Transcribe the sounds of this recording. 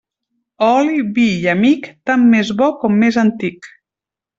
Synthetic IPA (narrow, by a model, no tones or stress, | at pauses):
ɔliβijamikt̪amːezβɔkɔmːezant̪ik